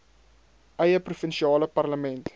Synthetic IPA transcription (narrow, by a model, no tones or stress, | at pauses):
ʔɛjəprufənʃiɑːləpɐrləmɛnt